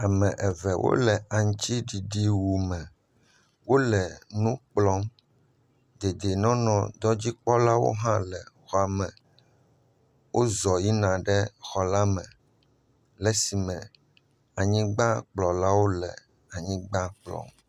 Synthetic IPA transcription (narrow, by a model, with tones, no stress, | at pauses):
a˨mɛ̃˨ʔɛ˨vɛ˨wʔo̰˦lɛ˨a˨ŋ˦t͡ɕi˦ɖi˨ɖi˦wu˨mɛ̃˨ | wo˦lɛ˨nũ˦k͡plɔ˦m | d̪e˨d̪e˨nɔ̃˦nɔ̃˨d̪ɔ˦d͡ʑi˦k͡pɔ˦la˦wo̰˦ɦã˦lɛ˨xɔ˨a˨mɛ̃˨ | wʔo˦zɔ˨ji˦nã˨ɖɛ˦xɔ˨la˦mɛ̃˨ | lɛ˦si˨mɛ̃˨ | a˨ɲĩ˦ɡ͡bã˦k͡plɔ˨la˦wo˦lɛ̰˨ | a˨ɲĩ˦ɡ͡ba˦k͡plɔ̰˦m